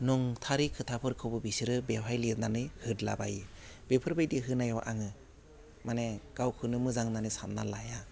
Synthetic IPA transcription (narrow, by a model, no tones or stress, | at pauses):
nɔŋtʰaɾikʰɯtʰapʰɯɾkʰɯbɯbisɯɾɯbepʰajliɾnanɯjhɯdlabajibepʰɯɾbajdiɦɯnajawʔaŋɯ | maneɡ̥awkʰɯnɯmɯzaŋnanɯsanːa̰laja